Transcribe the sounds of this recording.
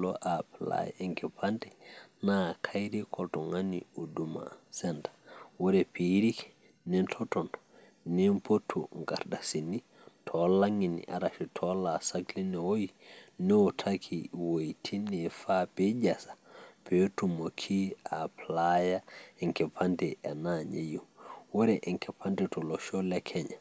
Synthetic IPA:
lɔ̰ʔapla̰ja̰ɛŋkɛpʰandɛnakʰajɾikʰɔltɔŋanḭuduma̰sɛntḁwɔɾɛpiɾikɛ̥ | nɛntʰɔtɔntɔ̥ | nɛmpotʰːṵŋɡa̰ɾdasini | tʰɔlaŋinḭʔaɾaʃitʰɔlasaklinɛwojinɛwɔtʰakʰiwojtʰinɛfapɛd͡ʒasḁpɛtumokʰiaplajaɛŋkɛpʰantɛanaɲejuwɔɾɛʔɛŋkʰɛpʰantɛtɔlɔʃɔlɛkʰɛɲa̰

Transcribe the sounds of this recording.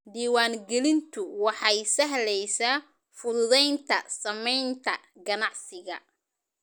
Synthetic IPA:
ɖiːwaːŋɡɛlɪnt̪ʰʊwɑħɑjsɐɦlɛjsa | fʊɾʊðɛjnt̪ʰɐsɐmɛjnt̪ʰɐ | ɡɐnɑʕsɪɣɐ̰

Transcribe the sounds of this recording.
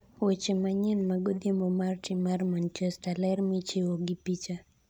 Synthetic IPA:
wet͡ʃemaɲɛnmaɡod̪emomart͡ʃɪmarmant͡ʃɛstalɛrmɪt͡ʃewoɡɪpit͡ʃa

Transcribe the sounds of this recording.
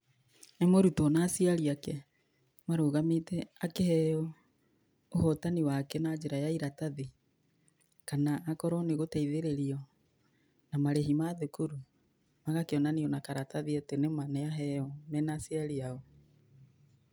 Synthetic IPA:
ɛmoɾutɔnasiaɾiakɛ | maɾoːɣametɛakehɛɔ | ohɔtaniwakɛnad͡ʒeɾajaiɾataði | kanaʔːkɔɾɔneɣotaiðeɾeɾiɔ | namaɾeɦimaðekuɾu | maɣakeɔnaniɔnakaɾataðiatenemanɛaɦɛɔmɛnasiaɾiaɔ

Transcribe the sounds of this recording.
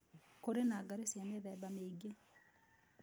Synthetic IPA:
koɾenaɡaɾesjaneðɛbameɡe

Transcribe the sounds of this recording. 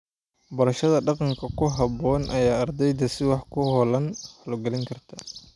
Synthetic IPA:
bɐɾɐʃɐðɐɖɑqɑŋkʰɐkʰʊɦɑbɔːnʔɐjaːɐrd̪ɛjd̪ɐsɪwɑħkʰʊhɔlɐnhɔlɡɐlɪŋkʰɐrt̪ʰɐ

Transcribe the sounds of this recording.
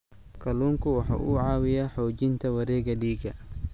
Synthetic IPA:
kʰɐluːŋkʰʊwɑħɑ̰ːʔuʕɑːwɪjaħɔːt͡ʃɪnt̪ʰɐwɐɾɛːɡɐliːɡɐ

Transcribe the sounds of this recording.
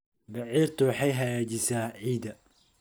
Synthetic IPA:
bɑʕiːrt̪ʰʊwħɑjɦɐɣaːt͡ʃɪsaːʕiːd̪ɐ

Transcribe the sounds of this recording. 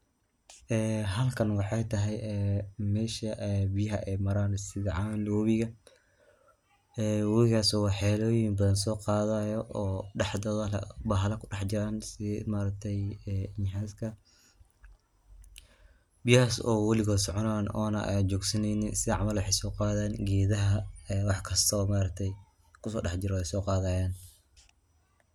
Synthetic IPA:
ʔɛːɦɐlkʰɐnwɑħɑjt̪ʰɐɦɛjɛːmɛːʃɐʔɛbijɐɦɐʔɛjmɐɾaːnsɪðɐʕɑnɔːβɪɣɐ | ɛːwɔlɪɣaːsɔːwɑħɛːlɔːjinbɐðɐns̬ɔːqɑːðajɔʔɔːɖɑħd̪ɔːðɐlɐ̰bɐɦɐlɐkʰʊɖɑħt͡ʃɪɾaːnsɪmaːɾɐk̚t̪ʰɛjɛɪnɦaːskʰɐ | bɪjhaːsɔ̰ːwɐlɪɣɔːsɔʕɔnanɔ̰ːnɐ̰ʔɛ̰jt͡ʃɔːɡsɐnɛjnɪsɪðɐʕɑmɐlwɑħejsɔːqɑːðaːnɡɛːðɐɦɐɛːwɑħkʰɐst̪ʰːmaːɾɐkt̪ʰɛj | kʰʊsɔ̰ːɖɑħt͡ʃɪɾɔɛjsɔːqɑːðaːjaːn

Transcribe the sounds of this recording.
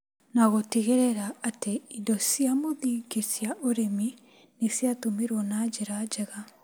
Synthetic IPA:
naɣoteɣeɾɛɾaːteidɔsiamoðiːɡesjaʔoɾemi | nesiatomiɾwɔnaːd͡ʒeɾad͡ʒɛɣa

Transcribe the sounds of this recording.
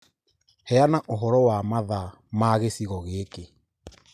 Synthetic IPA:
hɛanaʔoɦɔɾɔwamaða | maːɣesiɣɔɣeːke

